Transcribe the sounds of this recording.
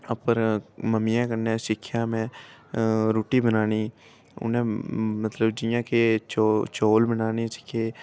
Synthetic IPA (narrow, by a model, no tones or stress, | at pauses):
ɐpəɾməmijãkənẽsɪkʰːjamẽ | ɾoːʈibənaːniː | ʊ̰nɦẽmət̪ləbd͡ʒɪjãket͡ʃot͡ʃoːlbənaːnit͡ʃkʰe